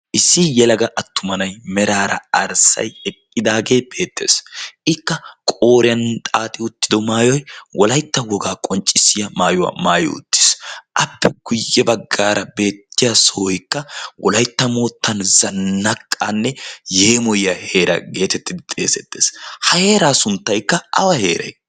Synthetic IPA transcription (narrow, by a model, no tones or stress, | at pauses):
ʔɪsːɪjɛlɐɡɐʔɐt̪ːʊmɐnɐjmɛɾaːɾɐ̰ɐɾsɐ̰jɛkʼːɪd̪aːɡe̞ːb̥e̞ːt̪ːe̞ːsʔɪkːɐkʼoːɾɪjɐnt̪ʼaːt̪ʼɪʊt̪ːɪd̪ɔmaːjɔjwɔlɐjt̪ːɐwɔɡaːkʼɔnt͡ʃʼːɪsːɪjɐmaːjʊwa̰maːjʊ̰ʊ̰t̪ːɪ̥sʔɐpːɛɡ̥ʊjːɛbɐɡːaːɾɐbe̞ːt̪ːɪjasoːjkːɐwʔɔlɐjt̪ːɐmoːt̪ːɐnzɐnːɐkʰʼːanːɛjeːmɔjɪɐhe̞ːɾɐ̰ɡe̞ːt̪ɛt̪ːɪd̪ɪt̪ʼe̞ːsɛt̪ːeːshɐhe̞ːɾaːsʊnt̪ːɐjkːɐʔɐ̰wɐheːɾɐ̰j